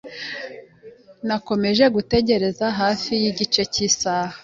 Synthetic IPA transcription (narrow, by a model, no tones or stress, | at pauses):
nako̞me̞ʒe̞ɡute̞ɟe̞ɾe̞zaɦaːfijiɟit͡ʃe̞cisaːha